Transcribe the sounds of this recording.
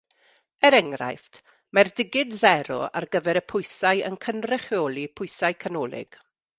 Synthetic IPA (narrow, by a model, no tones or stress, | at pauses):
ɛɾɛŋra̰jftʰ | mɛrdɪɡɪdzɛɾɔ̰a̰rɡəvɛɾəpʰʊjsajə̰nkʰənrɛχjoːlˠipʰʊɨsajkʰanɔːlˠɪ̰ɡ̥